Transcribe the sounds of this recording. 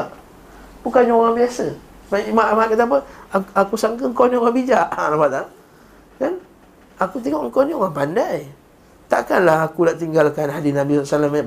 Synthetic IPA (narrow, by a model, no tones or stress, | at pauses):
a | bukaɲoɣaŋbiasə | mamamaaʔkat̪ap̬əakusamk̬əŋkoniŋabid͡ʒaʔanapat̪̚a | kan | akut̪̬eŋɔʔŋkoniɔŋapandaj | t̪a̰ʔkanlahakulaʔt̪iŋɡalkanɦadisnabisɔasalamaa